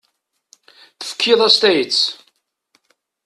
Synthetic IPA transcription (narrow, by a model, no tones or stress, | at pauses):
θə̥fə̥kʰːɪðˤæst̪æjət̪t͡s